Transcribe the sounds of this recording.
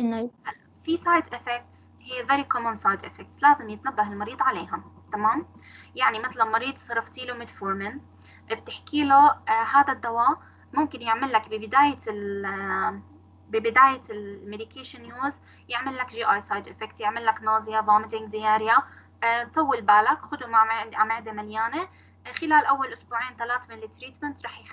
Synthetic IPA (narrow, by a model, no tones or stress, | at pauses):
ʔɪnːhalːafisɑːjd̪ʔɪfɛk̚t̪s | hɪjːvaɾikomuːnsˤɑjd̪ʔɪfɛk̚t̪slaːzɪmjɪt̪nabːaɦɪlmɑɾiːd̪ˤʕaleːɦat̪amaːmjaʕnimɪt̪lalmɑɾiːd̪ˤsˤɑɾˤɑft̪iːlumɪd̪foːɾmɪn | b̚t̪ɪħkiːlohaːd̪ad̪ːawaː | mʊmkɪnjɪʕmɪlːakbɪbɪd̪aːjal | bɪbɪd̪aːjalmed̪ɪkeːʃɪnjuːz | jɪʕmɪlːakʒiːʔaːjsɑjd̪ʔɪfɛkt̪jɪʕmɪlːaknɑːzˤɪjabɑːmɪt̪ɪŋd̪ɪjaːɾɪja | t̪ˤɑwːɪlbaːlakxʊd̪umaʕʔamɪʕd̪emaljaːne | xɪlaːlʔawːalʔʊsbuːʕiːnt̪alaːt̪mɪlːɪt̪ɾiːt̪mɪnt̪ɾˤɑːħjx